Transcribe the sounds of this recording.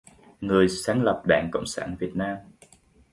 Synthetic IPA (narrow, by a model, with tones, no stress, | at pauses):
ŋɨ˨˩əjsaː˨˦ŋlə˨˩p̚ɗa̰ː˧˩ŋkə̰˧˨wŋ͡msa̰ː˧˩nvi˨˩ət̚naː˧m